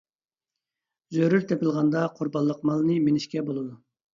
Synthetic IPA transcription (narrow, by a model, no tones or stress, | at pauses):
zøɾyɾt̪ʰɛpɪlˠʁɑnd̪ɑqʰʊɾbɑlˠːəqmɑlˠnɨmenɪʃkʲɛbolˠɨd̪u